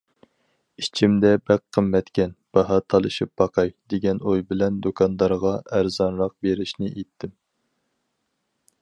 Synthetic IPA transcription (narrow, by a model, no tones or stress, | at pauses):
it͡ʃʰimd̪ɛbæqʰːəmːɛt̪kʲʰɛnb̥ɑɦɑt̪ʰɑlˠɨʃip̚b̥ɑqʰɑjd̪eɡʲɛnojbɪlɛnd̪okʰɑnd̪ɑɾʁɑæɾzɑnɾɑq̚beɾɪʃnɪʔet̪ʰːɪm